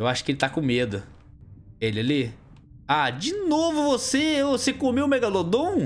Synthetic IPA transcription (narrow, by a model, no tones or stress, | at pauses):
ewaʃʊ̥kɪelɪt̪akõmed̪ʊ | elɪali | ad͡ʒɪnovʊvosevosekomeʊ̃mɛɡalod̪õw̃